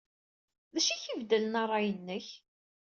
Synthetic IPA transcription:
ðæʃiçivd̪ələnɑrˤːɑjənːəç

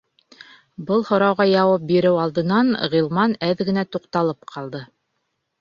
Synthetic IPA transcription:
bɤlˠhŏɾɑwʁɑjɑwɑp̚biɾɘwɑlˠd̪ɤ̆nɑnʁilˠmɑnæðɡɘ̆næt̪uqt̪ɑlˠɤpqʰɑlˠd̪ɤ

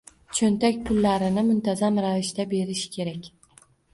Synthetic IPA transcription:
t͡ʃʰont̪akʲpʰʊlːaɾɪnɪmʊnt̪ʰazamɾavɪʃt̪abe̞ɾɪʃɪ̥kʲʰe̞ɾakʲ

